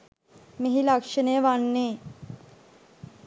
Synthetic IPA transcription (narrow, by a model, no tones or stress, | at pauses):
meɦilakʂənəjəʋanːeː